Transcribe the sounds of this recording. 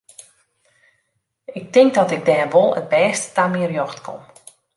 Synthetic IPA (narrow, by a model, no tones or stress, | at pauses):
ɪk̚tɪŋk̚dɔtɪɡ̚dɛːrʋolˠə̰t̚bɛːstə̥tamiərjɔxtkʰɔ̰m